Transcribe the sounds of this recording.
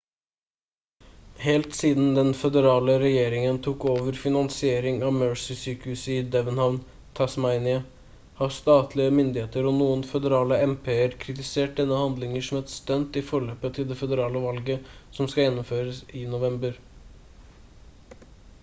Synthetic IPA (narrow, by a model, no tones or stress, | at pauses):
hɛlt̪siːd̪n̩d̪ɛnfɛd̪əɾɑːləɾɛjeːɾɪŋənt̪ʰuːkoːʋəɾfɪnɑnsɪeːɾɪŋɑmøɹsɪsyːkəhʉsəɪd̪ɛʋənhɑʋn | t̪ʰɑsmɑɪnɪə | hɑst̪ɑːt̪ʰlɪəmʏnd̪ɪheːt̪əɾɔnuːənfɛd̪əɾɑːləɛmpʰeːəɾkʰɾɪt̪ɪseːʈ̚d̪ɛnːəhɑnd̪lɪŋəʂɔmɛt̪st̪œnt̪ɪfɔɭøːpət̪ʰɪld̪ɛfɛd̪əɾɑːləʋɑlɡəsɔmskɑjɛnːʊmføːɾəsɪnʊʋɛmbəɾ